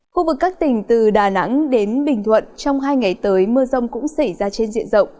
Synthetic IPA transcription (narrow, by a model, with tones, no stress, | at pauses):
xu˧vɨ˨˩kːaː˦˥k̚t̪ï˨˩ŋ̟t̪ɨ˨˩ɗaː˨˩na̰˧˥ŋɗe˨˦nɓï˨˩ŋ̟t̪ʰwə̰˧˨nt͡ɕɔ˧wŋ͡mɦaː˧jŋa˨˩jt̪əː˨˦jmɨ˧əzə˧wŋ͡mkʊ̰˧˥ŋ͡msa˧˩jzaː˧t͡ɕe˧nzḭ˧˨ənzə̰˧˨wŋ͡m